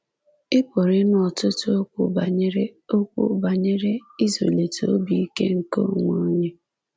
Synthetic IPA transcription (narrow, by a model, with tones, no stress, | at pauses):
ɪ˦po˨ɾɪ˦nɔ˨tʊ˦tʊ˦o˦kʷʊ˨ba˨ɲe˦ɾe˦o˦kʷṵ˦ba˨ɲe˦ɾe˦i˦zo̰˨le˨to˨o˦bi˨i˦ke˦ŋ̩˨ko˦˨ŋʷo˦ɲe˦